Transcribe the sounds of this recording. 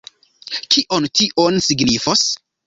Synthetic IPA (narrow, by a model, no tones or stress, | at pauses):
kʰiʔontiʔonsiɡnifos